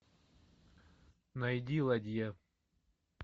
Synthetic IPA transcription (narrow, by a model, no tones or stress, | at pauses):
nɐjd̪ʲilˠɐd̪ʲja